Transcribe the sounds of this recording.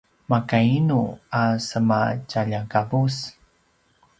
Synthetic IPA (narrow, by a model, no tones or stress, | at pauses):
makainuasəmat͡ʃaʎakabus